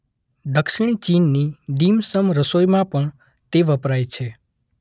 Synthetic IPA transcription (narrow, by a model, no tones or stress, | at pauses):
d̪əkʃɪɽ̃it͡ʃinːiɖimsəmɾəsojmãpəɳ | t̪eʋəpɾajt͡ʃʰe